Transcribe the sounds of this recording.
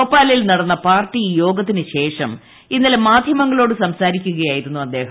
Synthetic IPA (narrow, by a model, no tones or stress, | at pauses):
oːpːaːlilnɐɽɐnːɐpaːrʈːijo̞ːɡɐt̪ːinɨɕe̞ːʂɐm | inːɐlemaːd̪ʱjɐmɐŋːɐɭoːɽɨsɐmsaːɾikʲːuɣɐjaːjiɾunːuɐd̪ːe̞ːɦɐ